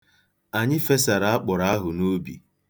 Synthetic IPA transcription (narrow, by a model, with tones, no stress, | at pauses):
a˨ɲɪ˦fe˦sa˨ɾa˨˦a˦k͡pʊ˨ɾa˦a˦ɦʊ˨no˦bḭ˨